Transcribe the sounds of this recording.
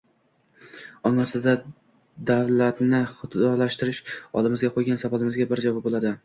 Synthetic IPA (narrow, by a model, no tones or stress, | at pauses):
ɒŋasɪd̪a | d̪avlat̪nɪχʊɒlaʃt̪ɪɾɪʃɒ̰lˠɪmɪzɡʲaqʰojɡʲansavalˠɪmɪzɡʲabɪɾd͡ʒavɒp̚bolad̪ɪ